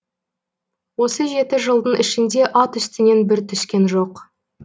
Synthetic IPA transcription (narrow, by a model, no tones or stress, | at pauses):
wo̞səʒe̞t̪ɪʒəlˠd̪ənɪʃɪnd̪e̞ʔɑt̪ʏst̪ɪne̞nbɪɾt̪ʰʏskʲe̞nʒo̞q